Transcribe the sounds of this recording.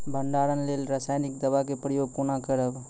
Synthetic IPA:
bəɳɖaɾənlelɾasaːjnik̚d̪əbakepɾəjoɡpunakəɾəb

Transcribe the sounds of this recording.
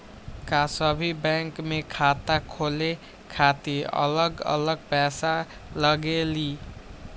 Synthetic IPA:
kasəbʱibɛŋkmekʰat̪akʰole | kʰat̪iə̰ləɡə̰ləɡ̚pɛsa | ləɡeli

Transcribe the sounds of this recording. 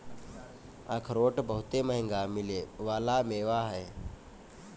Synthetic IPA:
akʰɾoːʈbəɦʊt̪eməɦɪ̃ŋɡamɪleʋaːlameːʋaɦɛː

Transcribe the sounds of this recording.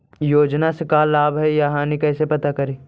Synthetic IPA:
joːd͡ʒnasekaːlːaːbɦɛjaɦãnĩkɛːsepɐt̪akɐɾiː

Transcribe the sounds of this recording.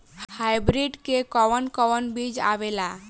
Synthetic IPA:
hajbɾiɖkekɔwənkɔwənbid͡ʒa̰ʋela

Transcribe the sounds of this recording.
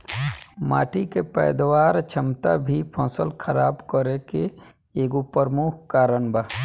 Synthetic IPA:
ma̰ːʈikepɛ̰ːd̪waːɾt͡ʃʰəmt̪abʱipʰɔ̃ːsəlkʰəɾaːbkəɾeke | eːɡupəɾmuːkʰkaːɾənba

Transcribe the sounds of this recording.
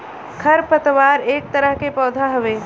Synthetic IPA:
kʰɐɾpət̪ʋaːɾeːk̚t̪əɾəɦkepɔːd̪ʱaɦɐʋeː

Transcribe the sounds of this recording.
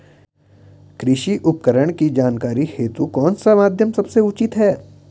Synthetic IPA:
kɾɪʃiʔʊpkəɾəɽ̃kid͡ʒaːnkaːɾiheːt̪ukɔːnsamaːd̪ʱjəmsɐbseʊt͡ʃɪt̪ɦɛː

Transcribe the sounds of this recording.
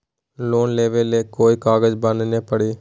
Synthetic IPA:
loːnleːʋelekoːjkaːɡɐd͡ʒbɐnd̪ɐneːpɐɽi

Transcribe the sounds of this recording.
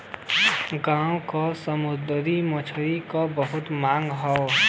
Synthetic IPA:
ɡaːõkasəmʊd̪d̪ɾimɔt͡ʃʰɾikobəɦʊt̪maːŋɡɦɔo

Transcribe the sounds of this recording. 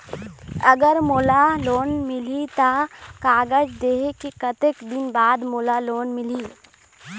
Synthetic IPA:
ɐɡəɾmoːlaloːnmɪlit̪akaːɡəd͡ʒd̪eːɦkikɐt̪ekd̪ɪnbaːd̪moːlaloːnmɪliː

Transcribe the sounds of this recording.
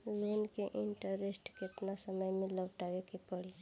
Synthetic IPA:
lonkeʔɪɳʈəɾesʈkɪt̪nasəməjmẽləwʈaʋekipəɽi

